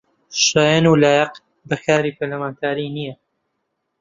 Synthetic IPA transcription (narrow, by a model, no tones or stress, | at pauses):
ʃaːjanuːlaːjɛq | bɐxaːɾiːpʰɐɾlɐmaːnt̪ʰaːɾiːnijɐ